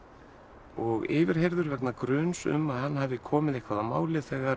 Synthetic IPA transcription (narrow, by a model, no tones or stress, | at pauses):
ɔɣɪːvɪɾ̥ɦejɾðʏɾvɛknakɾœːnsʏ̰mːaðhanːɦavðɪkʰɔːmɪðejhkʰvaðamaːwlɪθɛɣaɾ